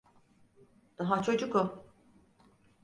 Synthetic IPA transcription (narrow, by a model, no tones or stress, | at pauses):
d̪̥aɦat͡ʃʰo̞d͡ʒukʊ